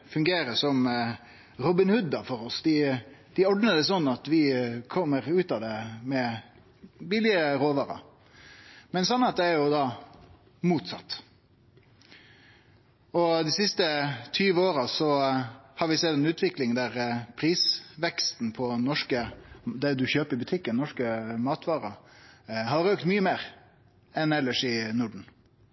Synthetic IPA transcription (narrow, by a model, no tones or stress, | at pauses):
fʉŋɡeːɾəsɔm | ɾɔbɪnhʉd̪ɑfɔɾɔsd̪ɪd̪̥ɪɔɖ̪nəd̪ɛsɔnːɑt̪ʋɪkʰɔmːəɾʉːt̪ɑd̪ɛmɛ | bɪlɪəɾoːʋɑɾɑ̰ | mɛnsɔnːɑt̪̚d̪ɛæɾjʊd̪ɑː | muːt̪sɑt̪ː | ɔd̪ɪsɪst̪ət̪ʰyːʋəoːɾəsɔhɑɾʋɪsɛt̪ːɛnʉːt̪ʰʋɪklɪŋd̪æɾpʰɾiːsʋɛkst̪n̩pʰɔnɔʂkəd̪ɛd̪ʉçøːpəɾɪbʉt̪ʰɪkːənnɔʂkəmɑːt̪ʋɑːɾɑ | hɑɾøːkt̪myːəmeːɾ | ɛnɛlːəʂɪnʊɖɳ̩